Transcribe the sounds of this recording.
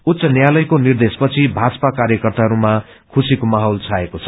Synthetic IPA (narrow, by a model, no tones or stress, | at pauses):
ut̪sʌnjalʌjkonird̪espʌt͡sʰibʱad͡zʌpakarjʌkʌrt̪aɦʌɾuma | kʰusikomaɦolt͡sʰaekot͡sʰʌ̥